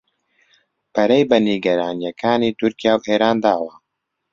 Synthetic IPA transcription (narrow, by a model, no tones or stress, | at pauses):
pʰɐɾejbɐniɡɐɾaːnijɐkʰaːniːt̪ʊɾkijaːwʔeːɾaːnd̪aːwɐ